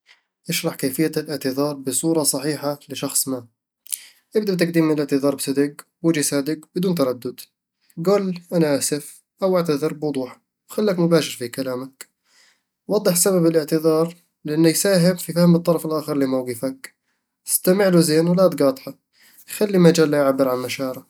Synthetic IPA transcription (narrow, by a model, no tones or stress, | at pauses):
ʔɪʃɾˤɑħkaːfɪjːalʔɪʕt̪ɪðɑːɾˤbɪsˤuːɾˤɑsˤɑħiːħalɪʃɑxsˤmaː | ʔɪbd̪abt̪̬aɡd̪iːmːɪnɪlɪʕt̪ɪðɑːɾˤbɪsad̪ɪɡ | wɪd͡ʒisaːd̪ɪɡbɪd̪uːnt̪ɑɾˤɑd̪ːʊd̪ | ɡuːlʔanaʔasɪf | ʔawʔaʕt̪aðˤɨɾbwʊd̪ˤuːħ | wxalːakmʊbaːʃɪɾfikalaːmak | wɑd̪ˤːɨħsababɪlɪʕt̪ɪðɑːɾˤ | lɪʔanːajsaːɦɪmfifahmɨt̪ˤːɑɾˤɑfɪlʔaːxɪɾˤlɪmawɡɪfak | st̪amɪʕluzeːnwalat̪ɡɑːt̪ˤħɑ | xalːimad͡ʒaːlːajʕabːɪɾʕanmaʃɑːɾa